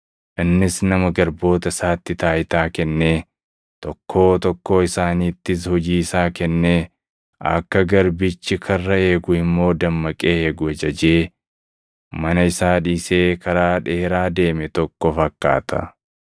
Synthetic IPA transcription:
ʔɪnːɪsnɐmɐɡɐɾbo̞ːt̪ɐsaːt̪ːɪt̪aːjɪt̪aːkɛnːeː | t̪ɔkʰːo̞ːt̪ɔkːo̞ːɪsaːniːt̪ːɪshɔd͡ʒiːsaːkɛnːeː | ɐ̰kːɐɡɐɾbɪt͡ʃːɪkʰɐrːɐe̞ːɡʊɪmːo̞ːd̪ɐmːɐkʼe̞ːeːɡʊɛd͡ʒɐd͡ʒeː | mɐnɐɪsaːᶑiːseːkɐɾaːᶑe̞ːɾaːd̪e̞ːmɛt̪ɔkːɔfɐkːa̰ːt̪ʰɐ̰

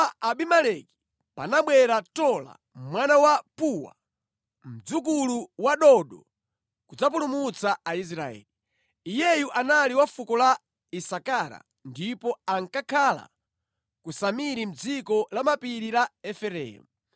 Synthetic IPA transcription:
aaɓimalɛki̥ | pa̰naɓwɛɾatɔla̰ | mwanawapuwa̰ | m̩d͡zukuluwaɗɔɗɔ | kud͡zap̬ulumut͡saais̬ɾaɛ̰ːli | ijɛjuʔanaliwafukɔla | isakaɾa̰ | ndipɔaŋkakʰala̰ | kusamiɾim̩d͡zikɔlamapiɾilaɛfɛɾɛ̰mu

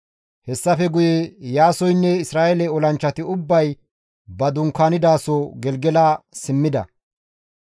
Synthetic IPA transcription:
hɛsːɐfɛɡʊjejaːsɔjnːɛɪsɾaːjɛlɛɔlɐnt͡ʃːɐt̪ɪʊbːɐj | bɐd̪ʊŋkːaːnɪd̪aːsoɡɛlɡɛlaːsɪmːɪd̪ɐ̰

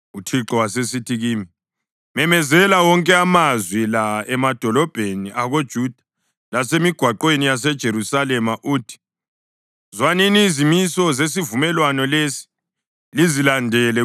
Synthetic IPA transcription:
utʰiǁɔwasesitʰiɣiːmi | mɛmɛzɛlawɔŋkʼɛamazwilaɛmad̥ʱɔlɔb̥ʱeniʔaɣod̥ʒ̥ʱud̥ʱa | lasemiɡ̥ʱwaǃwenijas̬ɛd̥ʒ̥ʱeɾusalɛmaʔuːtʰi̥ | zwaninizimisɔzes̬ivumɛlwanɔlesi̥ | lizilandʱɛlɛ

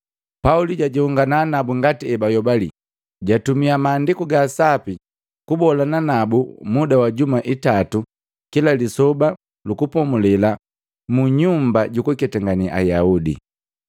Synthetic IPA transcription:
pauliɟaɟihuŋɡanaːnabuŋɡatiɛbajɔbalḭ | ɟatumiamaːndikuɡasapi | kubɔlananabumudawaɟumaʔitatu | kilalisɔba | lukupɔmulɛla | muɲumbaɟukukɛtaŋɡaniʔa̰jaudḭ

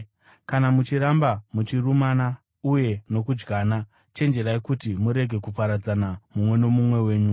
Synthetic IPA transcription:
kanamut͡ʃiɾambamut͡ʃirumana | uje̞no̞kud͡ʒɡaːna | t͡ʃe̞nd͡ʒe̞ɾaekutimuɾe̞ɡʱe̞kupaɾad͡zanamumwe̞nomumwe̞we̞ːɲu

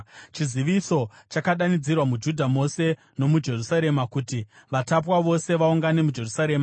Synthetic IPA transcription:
t͡ʃiziʋiso̞ | t͡ʃakaɗanid͡zirwamud͡ʒudʱamo̞se̞ | no̞mud͡ʒe̞rusaɾe̞makutiʋatap̬waʋo̞se̞ʋauŋɡane̞mud͡ʒe̞rusaɾe̞ːma

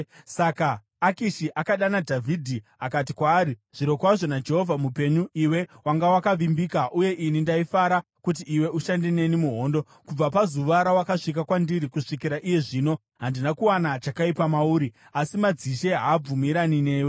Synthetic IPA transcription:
sakaː | kiʃiʔakaɗanadʱavʱidʱiakat̬ikwaːɾiʐ̥iɾo̞kwaʐo̞nad͡ʒe̞ɦo̞vamupe̞ɲuʔiwe̞waŋɡawakaʋimbikaʔuje̞ʔinindaifaɾa | kut̬iːwe̞ʔuʃandene̞nimuɦo̞ːndo̞ | kub͡vapazuʋaɾawakaʂik̬akwandiɾikuʂikiɾaʔije̞ʐiːno̞ | ɦandinakuwanat͡ʃakaipamauːɾi | asimad͡ziʃe̞ɦaːb͡vumiɾanine̞ːwe

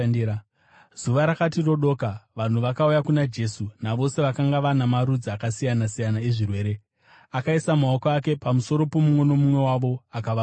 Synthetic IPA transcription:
z̥uʋaɾakatiro̞ɗo̞ːkaʋan̤uʋakaujakunad͡ʒe̞sunaʋo̞se̞ʋakaŋɡaʋanamaɾud͡ziakasijanasijanaeʐirwe̞ːɾe̞ | akaisamao̞koake̞pamuso̞ɾo̞po̞mumwe̞no̞mumwe̞waʋo̞akaʋa

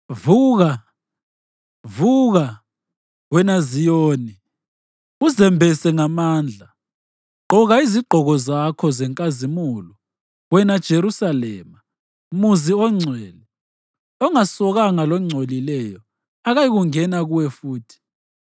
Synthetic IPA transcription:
vuːɣa | vuɣa | wɛnazijoːni | uzɛmbʱɛsɛŋamaːnd͡ɮʱa | ǃɔɣaiziɡ͡ǃʱɔɣɔzakʰɔzɛŋkʼazimulɔ | wɛnad̥ʒ̥ʱeɾusalɛːma | muziɔŋ͡ǀʱɛlɛ | ɔŋasɔɣaŋalɔŋ͡ǀʱolilɛjɔ | aɣajiɣuŋɛnaɣuwɛfuːtʰi̥

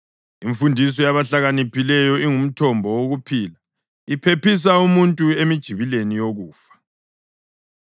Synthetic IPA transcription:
iɱfundʱis̬ɔjaβaɬaɣanipʰilɛjɔiŋum̩tʰɔmbʱɔwoɣupʰiːla | ipʰepis̬aumuntʼuemid̥ʒ̥ʱiβilenijoɣuːfḁ

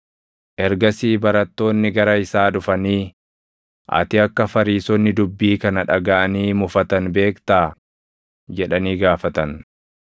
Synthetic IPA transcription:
ʔɛɾɡɐsiːbɐɾɐt̪ːo̞ːnːɪɡɐɾɐɪsaːᶑʊfɐniː | ʔɐ̰t̪ɪɐkːɐfɐɾiːsɔnːɪd̪ʊbːiːkɐnɐᶑɐɡɐʔɐniːmʊfɐt̪ɐnbe̞ːkt̪aː | d͡ʒɛᶑɐniːɡaːfɐt̪ɐn

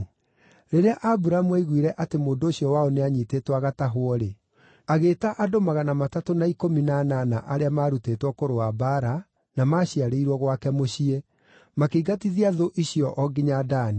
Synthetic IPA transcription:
ɾeɾeaʔabuɾamuaiɣwiɾɛʔatemoːndoːɕiɔwaoneaɲitetwaɣataɦwɔɾe | aɣeːtaʔadomaɣanamatatonaikominananaʔaɾeamaːɾutetwɔkoɾoabaɾa | namaːɕiaɾeiɾwɔɣwakɛmoɕie | makeiɡatiðiaðoʔiɕiɔʔɔɡiɲadaːni

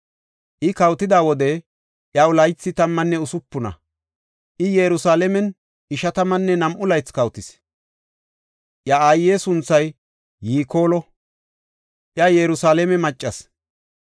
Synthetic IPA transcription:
ʔɪkɐwt̪ɪd̪aːwɔd̪ɛ | ʔjɐʊlɐjt͡sːɪt̪ɐmːɐnːɛʊsʊpːʊnɐ̰ | ʔɪjɛɾʊsaːlɛmɛn | ɪʃɐt̪ɐmɐnːɛnɐmʔʊlɐjt͡skɐwt̪ɪs | ʔjɐajːeːsʊnt͡sːɐjː | iːko̞ːlɔ | ʔjɐjɛɾʊsaːlɛmɛmɐt͡ʃʼːɐs

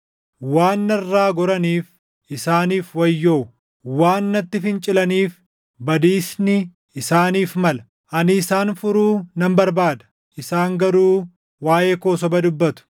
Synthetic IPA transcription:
waːnːɐrːaːɡɔɾɐniːf | ɪsaːniːfwɐjːoː | waːnːɐt̪ːɪfɪnt͡ʃʼɪlɐniːf | bɐd̪iːsnɪ | ɪsaːniːfmɐlɐ̥ | ʔɐnɪːsaːnfʊɾuːnɐmbɐɾbaːd̪ɐ̥ | ʔɪsaːŋɡɐɾuː | waːjeːko̞ːs̬ɔbɐd̪ʊbːɐt̪ʊ̥

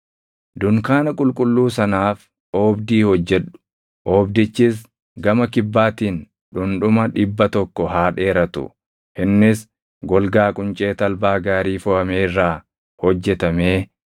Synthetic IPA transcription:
d̪ʊŋkaːnɐkʼʊlkʼʊlːuːsɐnaːf | ʔoːbd̪iːhɔd͡ʒːɛᶑʊ̥ | ʔoːbd̪ɪt͡ʃːɪs | ɡɐmɐkɪbːaːt̪iːn | ᶑʊnᶑʊmɐᶑɪbːɐt̪ɔkːɔɦaːᶑe̞ːɾɐt̪ʊ̰ | hɪnːɪs | ɡɔlɡaːkʼʊnt͡ʃʼe̞ːt̪ɐlbaːɡaːɾiːfɔhɐmeːɪrːaː | hɔd͡ʒːɛt̪ɐmeː

